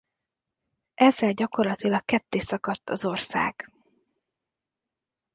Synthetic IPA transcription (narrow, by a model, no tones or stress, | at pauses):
ʔɛzːɛlɟɒko̞rlɒt̪ilɒkkːɛt̪ːeːsɒkɒt̪ːɒzo̞rsa̰ːɡ̥